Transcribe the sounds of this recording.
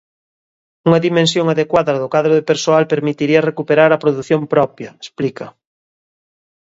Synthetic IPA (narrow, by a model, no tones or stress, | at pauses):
uŋɐðimẽnsjoŋaðekwaðɐðʊkwaðɾoðepeɾsoalpeɾmit̪iɾiɐrekupeɾaɾɐpɾoðuθjompɾɔpjɐesplikɐ